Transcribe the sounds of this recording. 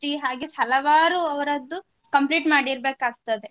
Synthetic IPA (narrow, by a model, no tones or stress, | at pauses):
ɾiɦaːɡehɐlɐʋaːɾuɐʋɐɾɐd̪ːu | kɐmpliːʈmaːɽiɾbeːkaːɡ̚t̪ɐd̪e̞